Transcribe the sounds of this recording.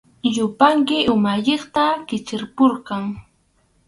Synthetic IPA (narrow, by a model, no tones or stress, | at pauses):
jʊpaŋkɪʔʊmaʎeχt̪akɪt͡ʃɪɾpoɾqɑŋ